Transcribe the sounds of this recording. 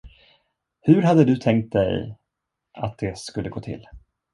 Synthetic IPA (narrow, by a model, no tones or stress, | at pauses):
hɵɾɦad̪ːəd̪ɵt̪ʰɛŋk̚t̪̚d̪ɛ̰j | ʔa̰t̪̚d̪̥ɛskɵlːəɡoːt̪ʰɪ̰lː